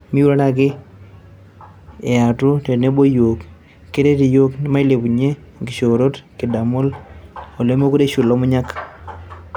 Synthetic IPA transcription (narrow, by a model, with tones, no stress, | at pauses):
mi˦u˦la˦ɾa˨k̬ɪ˦ | e˨a˨tu˦te˨ne˦bo˦jo˨k | ke˦ɾe˦ti˨jo˦kn˦ma˦i˦le˨pu˨ɲe˦ | ŋɡi˨ʃo˨ɾo˦tkɪ˨da˨mʊ˦lo˨le˦mo˦ku˦ɾe˦ʃu˨lo˦mʊ˦ɲa˦k